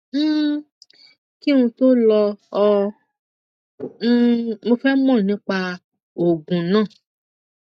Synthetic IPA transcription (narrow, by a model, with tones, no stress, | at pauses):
m̩ː˦˨ | ki˦ũ˧to˦lɔ˧ɔ˧˦˧ | mo˧fɛ˦mɔ̃˦˨nĩ˨˦k͡pa˧ | o˨ɡũ˨nãː˦˨